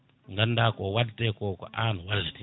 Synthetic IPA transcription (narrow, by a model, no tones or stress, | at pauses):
ŋɡandakowaltekokɔ̰ʔan̤uwalːete